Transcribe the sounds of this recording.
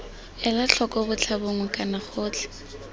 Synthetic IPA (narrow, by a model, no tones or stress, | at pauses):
ɛlaɬʰɔkʼɔbʊt͡ɬʰaboŋ̩kʼanaχoːt͡ɬʰɛ̥